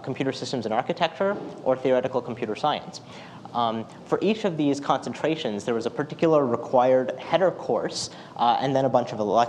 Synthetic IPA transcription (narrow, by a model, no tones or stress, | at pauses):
kʰmpʰj̥ʉɾə˞sɪstə̃mzɨ̃nɑɹkɨtʰɛk̚t͡ʃə˞ʔə˞θiəɹɛɾɨkl̩ˠkʰm̩pʰj̥ʉɾə˞saɪɨ̰̃ns | fə˞ʔit͡ʃʌvðiz̥kʰɑ̃nsntʰɹ̥eɪʃɨ̃nzðə˞wʌzəpʰə˞tʰɪkjl̩ˠə˞ɹəkʰw̥aɪə˞dhɛɾə˞kʰɔɹs | ɨ̰̃nðɨ̃ñəbʌ̃nt͡ʃʌvəlɛ